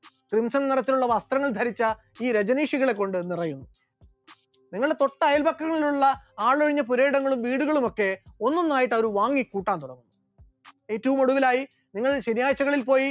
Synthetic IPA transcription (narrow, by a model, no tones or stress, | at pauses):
krimsɐnniɾɐt̪ːiluɭːɐʋɐst̪rɐŋːɐɭd̪ʱɐɾit͡ɕːɐ | iːɾed͡ʑɐniːʂiɣɐɭe̞kːo̞ɳɖɨnirɐjunːu | niŋːɐɭɨe̞t̪o̞ʈːɐɐjɐlbɐkːɐŋːɐɭiluɭːɐaːɭoɻiɲːɐpuɾe̞ːɽɐŋːɐɭumʋiːɽuɣɐɭumo̞kːe̞o̞nːonːaːjiʈːɐʋoɾuʋaːŋːikːuːʈːaːnt̪uɽɐŋːunːu | e̞ːtːɐʋumo̞ɽuʋilaːji | niŋːɐɭɕenjaːjt͡ɕːɐɣɐɭilpo̞ːji